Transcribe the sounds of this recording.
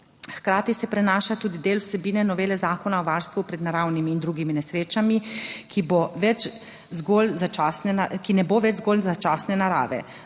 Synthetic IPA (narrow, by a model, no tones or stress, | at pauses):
xkɾaːt̪isɛpɾɛnaːʃat̪uːd̪id̪eːlwsɛbiːnɛnɔʋeːlɛzaːkɔnaɔʋaːɾst̪ʋupɾɛd̪naɾaːwnimiːnd̪ɾuːɡiminɛsɾeːt͡ʃamikʰiboʋɛt͡ʃ | zɡolzat͡ʃaːsnɛnakinɛboʋɛd͡ʒzɡolzat͡ʃaːsnɛnaɾa̰ːʋɛ̰